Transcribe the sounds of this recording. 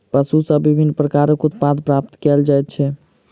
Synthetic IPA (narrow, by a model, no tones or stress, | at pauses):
pəsusəbibʱinːpɾəkaɾəkut̪pad̪pɾap̚t̪kɛld͡ʒajt̪̚t͡ʃʰɛ